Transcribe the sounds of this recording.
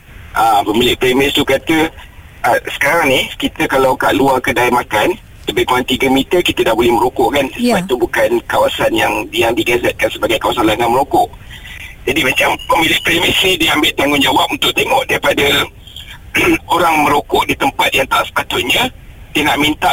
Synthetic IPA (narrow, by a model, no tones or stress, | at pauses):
ʔəmpəmilɪʔpɾemɪst̪ukat̪ə | ʔəsə̥kaɾaŋnɪhkit̪əkalawkaʔluakədajmakan | t̪əbikuaŋt̪iɡəmit̪əkit̪ədahbolɛhməɾokɔʔkanəsəat̪ubukankawasanjaŋjaŋdiɡazɛt̪̚kansəbaɡajkawasanlaŋaməɾokɔʔ | d͡ʒadimat͡ʃampəmilɪʔ̚pɾemɪsnidiambɪʔt̪aŋɡʊnd͡ʒawap̚unt̪ʊʔ̚t̪emɔʔdaɾipadə | oɾaŋmə̃ɾokɔʔdit̪əmpat̪̚jaŋt̪aʔsə̥pat̪ʊt̪̚ɲa | t̪ənaʔmint̪aʔ